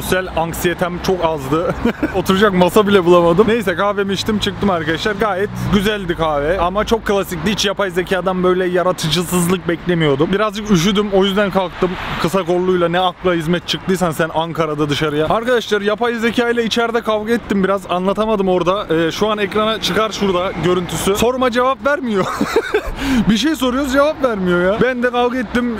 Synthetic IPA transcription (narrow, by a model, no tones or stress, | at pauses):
osjælʲaŋksijet̪ʰæmt͡ʃʰo̞kazd̪ɯo̞t̪ʰuɾud͡ʒak̚masabilʲɛbulˠamad̪ɯmnejsɛkʰaːvɛmiʃt̪ʰimt͡ʃʰɯk̚t̪ɯmaɾkad̪aʃlˠaɾɡaːjɛt̪ɟyzælʲd̪ikʰaːvɛamat͡ʃʰo̞kʰːɯlˠasiclʲiit͡ʃjapajzecʰaːd̪anbøjlʲɛjaɾat̪ʰɯd͡ʒɯsɯzlˠɯk̚bɛclʲemijo̞d̪umbiɾazd͡ʒɯkyʃ̬yd̪ymojyzd̪ænkʰalˠk̚t̪ɯmkʰɯsako̞lˠːujlˠanɛaklˠaɦizmɛt̪̚t͡ʃʰɯk̚t̪ʰɯjsansænaŋkʰaɾad̪ad̪ɯʃaɾɯjaaɾkad̪aʃlˠaɾɯjapʰajzecʰaːjlʲˠɛit͡ʃʰɛɾd̪ɛkʰavɡɯɛt̪ːimbiɾazanlˠat̪ʰamad̪ɯmo̞ɾd̪aɛːʃuanɛkɾanat͡ʃʰɯkaɾʃuɾd̪aɟø̞ɾynt̪ʰysyso̞ɾmad͡ʒe̞vapvæɾmijo̞ | biʃ̬ejso̞ɾujo̞d͡ʒe̞vapvæɾmijo̞jaːbænd̪ɛkʰalˠɡɯɛt̪ːim